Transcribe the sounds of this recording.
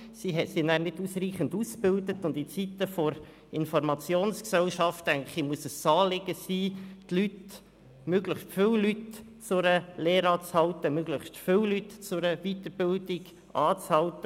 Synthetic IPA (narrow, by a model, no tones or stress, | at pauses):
siɦɛtsinæːɾnɪduːsriːχənduːsbɪldətʊndit͡sit̪əfɔɾ | ɪnfɔɾmɑt͡sjoːnsksɛlʃɑftæɪŋlχimuəsəsɑːlɪɡəsiːtlyt | møɡləχʃtfɪwlyt | t͡sʊɾəleːɾɑːt͡shɑltəmøɡləχstfɪwlytt͡sʊɾəvit̪əɾbɪldiɡ | ʔɑːt͡shɑlt̪ə